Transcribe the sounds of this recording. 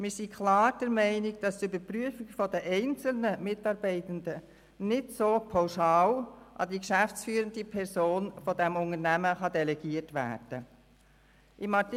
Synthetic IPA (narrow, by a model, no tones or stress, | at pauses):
mɪɾsikʰlɑːɾd̥ɛɾmɛɪnɪɡ̚d̥ɑst̪ybəɾpɾyəfɪɡfɔdəʔɛɪnt͡sl̩nəmɪtɑɾbɛɪt̪ənd̪ə | nɪtsoːpʰaʊʃɑːlʔɑ̰dikʃæft͡sfyːɾəndipʰɛɾsoːnfɔdɛmʊŋəɾnæməχɑdɛlɛɡ̥iərtʋæ̰ːɾd̥ə | ʔɪmɑt